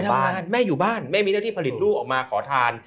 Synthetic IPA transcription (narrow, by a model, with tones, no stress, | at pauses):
a˧˥˩nmɛː˥˩juː˨˩baː˥˩nma˥˩jmiː˧naː˥˩t̪ʰiː˥˩pʰa˧li˨˩t̪̚ɾuː˥˩ʔɔː˨˩k̚maː˧kʰɔː˩˦t̪ʰaː˧n